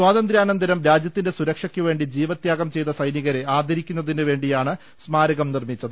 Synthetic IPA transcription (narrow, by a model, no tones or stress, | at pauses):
swaːðɐnd̪ɾjaːnɐnd̪ʱɐɾɐmɾaːd͡ʑjɐt̪ːinde̞suɾɐkʂɐkʲːuʋe̞ːɳɖid͡ʑiːʋɐt̪jaːɣɐmt͡ɕe̞jt̪ːɐsɐjniɣɐɾe̞aːd̪ʱɐɾikʲːunːɐðinɨʋe̞ːɳɖijaːɳɨ | smaːɾɐɣɐmnirmit͡ɕːɐðɨ